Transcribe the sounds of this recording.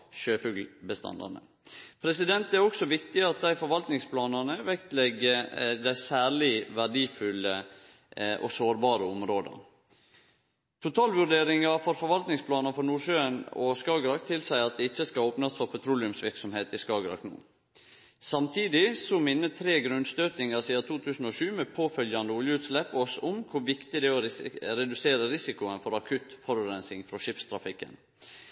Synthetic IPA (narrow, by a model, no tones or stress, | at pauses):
ʃøːfʉɡlbəst̪ʰɑ̰nd̪ɑ̰nə̰ | pʰɾɛsɪd̪ɛnt̪æɾɔksɔʋɪkt̪ɪɑt̪̚d̪æɪfɔɾʋɑlt̪nɪŋspʰlɑːnɑnəʋɛkt̪lɛɡːəd̪æɪsæːɾɭɪʋæɖiːfʉlə | ʔɔ̰soːɾbɑːɾəɔmɾoːd̪ə̰ | t̪ʰʊt̪ʰɑːlʋʉɾɖ̪eːɾɪŋɑfɔɾfɔɾʋɑlt̪nɪŋspʰlɑːnɑnfɔɾnuːʃøːnɔ̰skɑɡɾɑkt̪ʰɪlsæɪɑt̪̚d̪ɛɪt͡ʃːəskɑoːpnɑsfɔɾpʰɛt̪ʰɾuːlɪʉmsʋɪɾksɔmheːt̪ɪskɑːɡɾɑ̰knṵː | sɑmt̪ʰiːd̪ɪsɔmɪnːət̪ʰɾeːɡɾʉnst̪øːt̪ɪŋɑɾsiːdɑt̪ʰuːt̪ʰʉːsn̩ɔʃʉːmɛpʰoːfœljɑnd̪əʊljəʉːt̪slɛpːɔsʊmkʰʊɾʋɪkt̪ɪd̪ɛɔɾɛd̪ʉseːɾəɾɪsɪkʊənfɔɾɑkʰʉt̪fɔɾʉːɾɛnsɪŋfɾɔʃɪpst̪ʰɾɑfɪkːə̰n